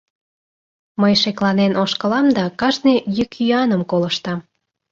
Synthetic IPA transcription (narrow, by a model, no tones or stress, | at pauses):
məjʃeklɑnenoʃkəlɑmd̪ɑkɑʒnejykyɑnəmkoləʃt̪ɑm